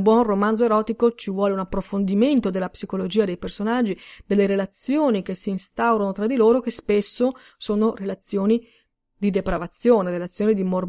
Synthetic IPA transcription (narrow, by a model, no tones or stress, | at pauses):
bwɔnromanzoeɾɔːt̪ikot͡ʃivwɔːleunapːɾofond̪iment̪od̪elːapsikolod͡ʒiːad̪ejpersonad͡ʒːid̪elːeɾelat̪sjoːnik̟esːiːnst̪awɾonot̪ɾad̪ːiloːɾok̟espesːo | soːnorelat̪sːjoːni | d̪id̪epɾavat̪sːjoːneɾelat̪sːjoːnid̪imor